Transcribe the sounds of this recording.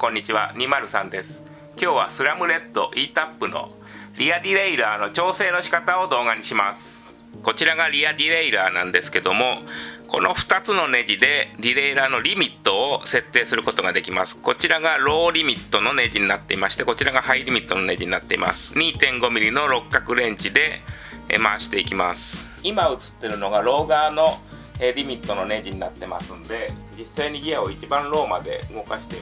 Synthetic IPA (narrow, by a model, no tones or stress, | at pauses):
kõ̞ɲ̟ːit͡ɕiβa̰ɲ̟ʲimaɾɯ̟sãnd̪esɨ̥ | kʲo̞ːβasɨɾamɯ̟ɾe̞t̪ːo̞̰ʔiːt̪apːɯno̞̰ | ɾʲiadʲiɾe̞iɾaːnot͡ɕo̞ːse̞ːno̞ɕi̥kat̪ao̞d̪o̞ːɡaɲ̟iɕimasɨ̥ | ko̞t͡ɕiɾaɡaɾʲiadʲiɾe̞iɾaːnãnd̪e̞sɨ̥ke̞d̪o̞mo̞ko̞no̞ɸɯ̟̥t̪at͡sɨno̞ne̞d͡ʑid̪e̞ɾʲiɾe̞iɾaːno̞ɾʲimʲit̪ːo̞ːse̞t̪ːe̞ːsɨɾɯ̟ko̞t̪o̞ɡad̪e̞kʲimasɨ̥ko̞t͡ɕiɾaɡaɾo̞ːɾʲimʲit̪ːo̞no̞ne̞ʑiɲ̟inat̪ːe̞imaɕi̥t̪e̞ko̞t͡ɕiɾaɡahaiɾʲimʲit̪ːo̞no̞ne̞ʑiɲ̟inat̪ːe̞ḭma̰sɨ̥ɲ̟iːt̪ẽ̞ŋɡo̞mʲiɾʲino̞ɾo̞kːakɯ̟ɾẽ̞ɲ̟d͡ʑid̪e̞̰ | maːɕi̥t̪e̞ikʲimasɨ̥ | imaɯ̟t͡sɨ̥t̪ːe̞ɾɯ̟no̞ɡaɾo̞ːɡaːno̞ | eɾʲimʲit̪ːo̞no̞ne̞d͡ʑiɲ̟inat̪ːe̞ma̰sɨ̃nd̪e̞d͡ʑisaiɲ̟iɡʲiao̞it͡ɕibãnɾo̞ːmad̪e̞̰ɯ̟ŋo̞kaɕi̥t̪e